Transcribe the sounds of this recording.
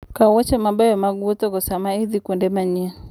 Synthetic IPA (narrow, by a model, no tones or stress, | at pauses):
kawɔt͡ʃɛmabajɔmaɡuɔtɔkɔsamaiðikundɛmaɲia